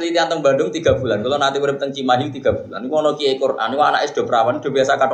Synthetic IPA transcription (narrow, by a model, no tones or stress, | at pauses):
lit̪iant̪əŋba̤ndʊŋt̪iɡ̥a̤b̥ṳlankulɔnant̪iwuɾɪp̚t̪əŋt͡ʃimaɦilt̪iɡ̥a̤b̥ṳlanːiwɔnɔkiekʊra̰niwana̰ʔɪsd̪̥o̤bəɾawanid̪̥o̤biasakaʈ